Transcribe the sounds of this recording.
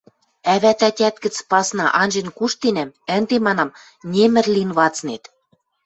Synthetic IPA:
æβæt̪æt̪ʲæt̪kɘ̆t͡spɑsnɑʔɑnʲʒĕnkuʃt̪enæmə̆nd̪emɑnɑm | nʲemɘ̆rlinβɑt͡snet̪

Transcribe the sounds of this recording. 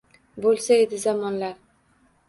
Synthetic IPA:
bolˠsaed̪ɪzamɒnlaɾ

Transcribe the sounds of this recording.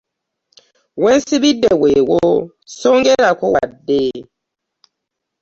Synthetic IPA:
wɛnsibidɛwewo | soŋɡɛɾakɔwadːeː

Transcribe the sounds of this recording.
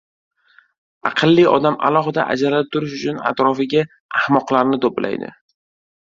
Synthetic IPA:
ɑ̰qʰɨlˠːiɒ̰d̪amʔa̰lˠɒɦɨd̪a̰ʔa̰d͡ʒalaap̚t̪ʰʊɾɪʃ̬ʊt͡ʃʰʊna̰t̪ɾɒfɪɡʲaː | hmɒqlˠaɾnɪt̪ʰoplʔa̰jd̪ɪ̰

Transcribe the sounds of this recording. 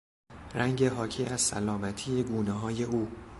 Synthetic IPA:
rʔæŋɟe̞ɦɒːcʰiːæz̥sæ̰lɒːmæt̪ʰiːje̞ɡuːneɦɒːje̞ʔuː

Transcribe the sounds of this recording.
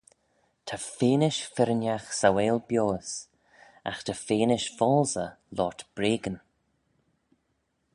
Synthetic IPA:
t̪ʰafeːnɪʃfɪɾənjaxsaweːlbjoːs | a̰xt̪ʰafeːnɪʃfɔlzə | lɔːt̪b̥ɾeːɡən

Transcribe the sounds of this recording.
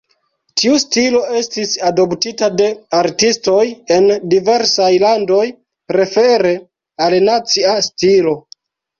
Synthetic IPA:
tiustilo̞e̞stisado̞ptitade̞aɾtisto̞je̞ndive̞ɾsajlando̞j | ɾe̞fe̞ɾe̞ | alnat͡siastilo̞

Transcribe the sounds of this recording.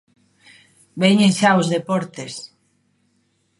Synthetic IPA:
beɲẽʃaozðepɔɾt̪es

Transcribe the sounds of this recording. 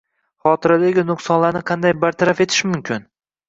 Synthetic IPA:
χɒt̪ʰɪɾad̪aɡʲɪnʊqsɒnlaɾnɪqʰɑnd̪ajbaɾt̪ʰaɾafe̞t̪ʰɪ̥ʃmʊmkʲʰɪn

